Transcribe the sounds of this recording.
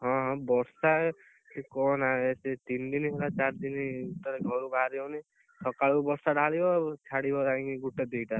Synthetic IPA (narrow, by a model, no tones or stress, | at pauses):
ɦɔ̃ɦɔ̃bɔɾsa | kɔnaeset̪ind̪inɦelat͡ʃaɾd̪iniut̪ːɔɾeɡʱɔɾubaɾiɔwni | sʰɔkaɭubɔɾsaɖʱaɭibɔt͡ʃʰaɽibɔɾãŋiɡuʈed̪ejʈa